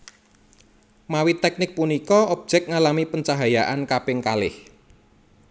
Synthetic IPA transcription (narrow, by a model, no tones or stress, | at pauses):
mawit̪ɛk̚nɪk̚punikɔɔb̥̚ʒ̥ɛk̚ŋalamipəɲt͡ʃaɦajaʔankapɪŋkalɪ̰h